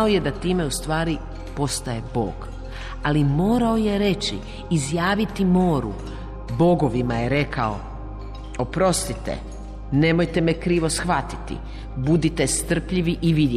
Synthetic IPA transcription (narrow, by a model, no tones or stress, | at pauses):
oje̞d̪at̪iːme̞ust̪ʋaːɾi | po̞st̪aje̞bo̰ːɡ̥ | alimo̞ːɾao̞je̞ɾe̞t͡ɕḭː | zjaːʋit̪imo̞ːɾṵ | bo̞ɡo̞ʋimajeɾe̞kʰa̰o̰ | opɾo̞st̪it̪ḛ | ne̞mo̞jt̪emekɾiːʋo̞sxʋat̪i̥t̪ḭ | bud̪it̪e̞st̪r̩pʎiʋiʔiʋid̪